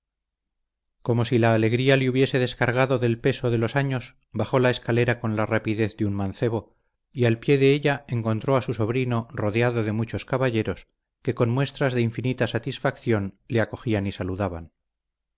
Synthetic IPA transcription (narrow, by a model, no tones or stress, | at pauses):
ko̞mo̞silaːle̞ɣɾialeuβje̞se̞ðe̞skaɾɣ̞aðo̞ðe̞lpe̞so̞ð̞e̞lo̞saɲo̞s | baχo̞lae̞skale̞ɾako̞nlarapiðe̞θðeunmãnθe̞β̞o̞ | ialpje̞ðe̞eʎae̞ŋko̞nt̪ɾo̞asuso̞βɾino̞ro̞ðeaðo̞ðe̞mut͡ʃo̞skaβaʎe̞ɾo̞s | ke̞ko̞nmwe̞st̪ɾazðeiɱfinit̪asat̪isfakθjo̞nle̞ako̞xianisaluðaβan